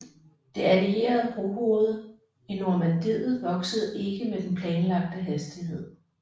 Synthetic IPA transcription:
d̥e̝ælie̝̰ːɐð̞̩ˠb̥ʁoho̝ːð̞̩ˠ | inoɐmænd̥ið̰ˠð̩ˠʋɒ̽ɡ̥səð̩ˠe̝ɡ̥əmed̥enpʰlɛːnlɑ̈ɡ̥̚d̥əɦæsd̥iɦe̝ð̞̰ˠ

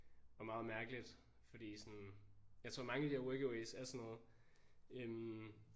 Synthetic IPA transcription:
ɒ̽mɑ̈ːð̩ˠmæɐɡ̥əlid̥ | fɒ̽d̥ḭːsɒnjɑɪt͡sʰʁo̝ɐmɑ̈ŋəæd̥ihæɐweɡ̥oesæsɒnːɔ̽ːð̩ˠ | øm

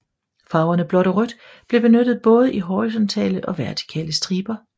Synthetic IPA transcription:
fɑ̈ʊɐnəb̥lɒ̽ɾɒʁød̥ | b̥le̝b̥e̝nød̥ð̩ˠb̥ɔ̽ːð̞ˠəʔiɦɒʁis̬ɒ̽nt͡sʰɛ̰ːləʔɒ̽ʋæɐt͡sʰi̥kʰɛ̰ːləsd̥ʁiːb̥ɐ

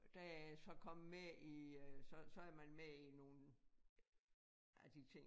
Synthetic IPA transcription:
d̥æsɒ̽kʰɒ̽m̰meisɒ̽sɒ̽æɐmænmeino̝ːn | ʔæd̥it͡sʰe̝ŋ

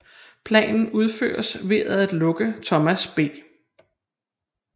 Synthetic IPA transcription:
pʰlɛ̰ːnn̩uð̞ˠfø̰ːɐsʋe̝æðˠæd̥lɔ̽ɡ̥ət͡sʰɒ̽mæsb̥e̝̰ː

